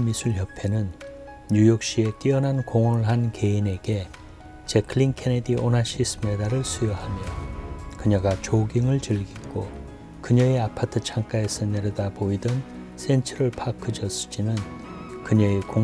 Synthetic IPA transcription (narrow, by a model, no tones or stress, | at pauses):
misʰuɭçjʌpʰe̞nɯnː | ujʌk̚ɕ͈ie̞t͈iʌnankoŋʌnɯɭɦanke̞ine̞ɡe̞ | t͡ɕekʰɯɭinkʰe̞nediʔonaɕʰis͈ʰɯme̞daɾɯɭsʰujʌhamjʌkɯɲʌɡat͡ɕoɡiŋɯɭt͡ɕɯɭɡik͈o | kɯɲʌiapʰatʰɯt͡ɕʰaŋk͈ae̞sʰʌne̞ɾʌdaboidʌn | sʰe̞nt͡ɕʰʌɾɯɭpʰakʰɯd͡ʑʌsɯ̥d͡ʑinɯnkɯɲʌiko